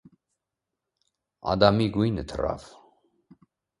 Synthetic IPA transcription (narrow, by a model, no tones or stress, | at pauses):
a̰d̪amiɡuijnət̪ʰəra̰v